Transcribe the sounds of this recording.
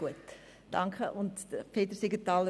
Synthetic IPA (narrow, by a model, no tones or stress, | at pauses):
uət | d̥ɑŋkχəʔʊntfeːt̪əɾsɪɡətɑːlə